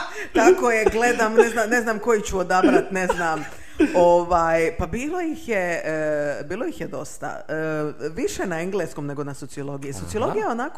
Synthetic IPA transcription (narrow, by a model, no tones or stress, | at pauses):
t̪akojeɡle̞d̪amneznamne̞znamko̞jit͡ɕuod̪abɾat̪ne̞znam | oʋaːjpabiːlˠojixje | biːlˠo̞jixjed̪o̞st̪a̰əʋiʃenaeŋɡlesko̞mne̞ɡo̞naso̞t̪sijolˠo̞ɡijiso̞t̪siolˠoɡijajeo̞nako